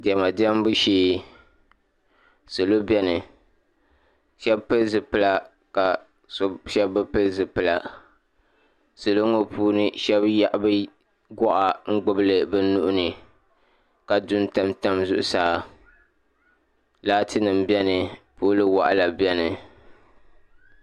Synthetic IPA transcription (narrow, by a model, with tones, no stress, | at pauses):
dɛ˨ma˨di˦ɛ˦m˦bu˦ʃeː˦ | sɨ˨lo˦bɛ˦nɨ˨ | ʃɛ˦bpɨ˦lzɨ˨pɨ˦la˦ | ka˨ | sʃɛ˦bːɨ˦pɨ˦lzɨ˨pɨ˨la˨ | sɨ˨lo˦ŋo˦pʰuː˦nɨ˦ʃɛ˦bja˦ʔbɨ˦ | ɡɔ˦ʔa˨ŋ̩˦ɡ͡bʊ˦bɨ˦lɨ˨bɨ˦nu˦ʔʊ˦nɨ˨ | ka˨dʊ˦n˦ta˦mta˦mzʊ˦ʔʊ̰˨saː˦˨ | laː˦tɨ˦nɨ˨m̩bjɛ˦nɨ˨poː˦lɨ˦wa˨ʔa˦la˨bɛ˦nɨ˨